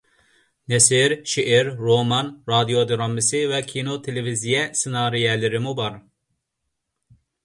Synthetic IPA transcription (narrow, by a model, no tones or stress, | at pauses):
nɛsiɾʃeʔɛɾːomɑnɾɑd̪ijod̪eɾɑmːisivɛkʲʰinot̪ʰelevizijɛsenɑːɾijɛlɪɾɪmubɑɾ